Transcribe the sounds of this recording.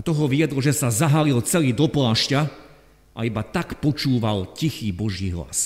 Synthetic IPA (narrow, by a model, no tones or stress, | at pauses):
at̪ɔɦɔʋiɛd̪lɔʒɛsazaɦalilt͡sɛliːd̪ɔplaːʃca | ʔa̰ibat̪akpɔt͡ʃuːʋalcixiːbɔʒiːɦla̰s